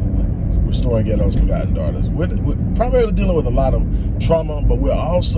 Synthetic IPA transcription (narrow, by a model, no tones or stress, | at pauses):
wɨɹstɔɹiɡɛɾ̃ʌz̥fə˞ɡɑ̰ʔn̩dɑ̰ɹɾə̰zwɪwɪpʰɹ̥ɑbbliədilˠɪ̃ŋwəðəlɔɾʌv̥ | tʰɹ̥ɑməbʌt̚wiɹɔlˠs